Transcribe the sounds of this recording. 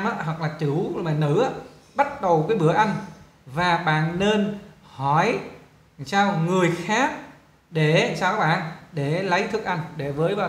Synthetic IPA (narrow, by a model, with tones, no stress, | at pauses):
mʔaː˧˦˥ɦwa˨˩k̚laː˨˩t͡ɕɨ˧˩˦wmaː˨˩nɨ̰˧˥a˧˦ | ɓa˦˥t̚ɗə˨˩wkaː˨˦jɓɨ˧˩˦əʔa˧jŋ̟ | vaː˨˩ɓa̰ː˧˨nːe˧nhɔ˧˩j | saː˧wŋɨ˨˩əjxaː˦˥k̚ | ɗe˧˩˨saː˧wkaː˦˥ɓa̰ː˧˨nɗe˧˩lə˨˦jt̪ʰɨ˨˩ək̚ʔa˧jŋ̟ɗe˧˩vəː˨˦jɓa˧˩